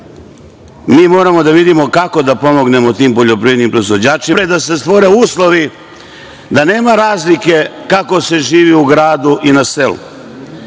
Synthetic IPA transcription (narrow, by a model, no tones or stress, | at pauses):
miːmo̞ːɾamo̞d̪aʋid̪imo̞kako̞d̪apo̞mo̞ɡne̞mo̞t̪iːmpo̞ʎo̞pɾiːed̪nimpɾo̞izʋo̞d͡ʑaːt͡ʃiɾed̪ase̞st̪ʋo̞ɾeuːslˠo̞ʋi | d̪ane̞ːmaɾaːzlike̞kako̞se̞ʒiːʋiuɡɾaːd̪uʔinase̞lṵ